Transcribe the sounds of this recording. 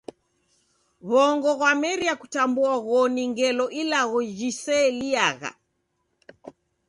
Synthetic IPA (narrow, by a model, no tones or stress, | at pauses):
βɔŋɡɔɣwamɛɾiakutambuaɣɔniŋɡɛlɔʔilaɣɔd͡ʒisɛliaɣa̰